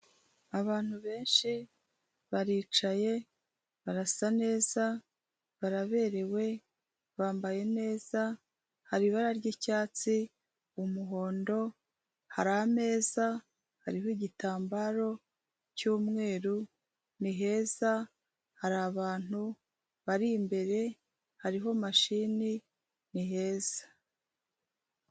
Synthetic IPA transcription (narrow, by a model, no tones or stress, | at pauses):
aβaːn̥huβe̞ːnʃi | βaɾiːt͡ʃaje̞ | βaɾasane̞ːza | βaɾaβe̞ɾe̞we̞ | βaːmbaje̞ne̞ːza | haɾiβaɾaɾɟicaːt͡si | umuɦo̞ːndo̞ | haɾahame̞ːza | haɾiɦoiɟitaːmbaɾo̞ | cuːmŋe̞ːɾu | niɦe̞ːza | haɾaβaːn̥hu | βaɾimbe̞ɾe̞ | haɾiɦo̞maʃiːni | niɦe̞ːz̥ḁ